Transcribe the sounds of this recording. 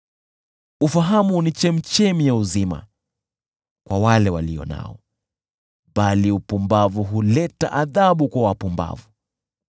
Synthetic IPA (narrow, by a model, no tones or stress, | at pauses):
ufaɦamunit͡ʃɛm̩t͡ʃɛmijauzima̰ | kwawalɛwaliɔ̰na̰ɔ | ɓaliupumbavuɦulɛta̰ʔaðaɓukwawapumba̰vu